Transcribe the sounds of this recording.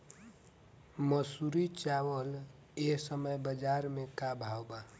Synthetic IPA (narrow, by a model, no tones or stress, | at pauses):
məsuɾit͡ʃawəl | eɦsəməjbəd͡ʒaɾmekabʱawba